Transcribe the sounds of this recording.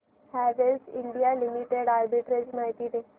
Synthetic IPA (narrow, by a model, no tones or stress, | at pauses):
hæʋelsḭɳɖijalimiʈeɽaɾbiʈɾed͡ʑmaɦit̪iːt̪e